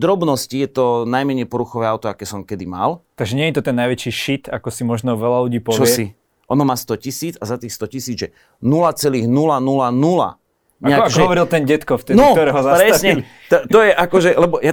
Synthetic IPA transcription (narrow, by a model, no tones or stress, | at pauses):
d̪ɾɔbnɔscijɛt̪ɔnajmɛɲɛjpɔɾuxɔʋɛːaʊt̪ɔakɛːsɔmkɛd̪ima̰lt̪aɡʒɛɲɛɲɛt̪ɔt̪ɛnːajʋɛt͡ʃiʃit̪akɔsimɔʒnɔʋɛlaluɟiːpɔt͡ʃɔsɛi | ʔɔnɔmaːst̪ɔcisiːd͡zazat̪iːxst̪ɔcisiːd͡zʒɛ | nulat͡sɛliːɣnulanulanula̰ | ɲɛakʒɛɔʋɔɾilt̪ɛnɟɛt̪kɔft̪ɛnɔt̪ɔɾɛɦɔzaɾɛsɲɛɛ | t̪ɔt̪ɔjɛʔakɔʒɛlɛbɔja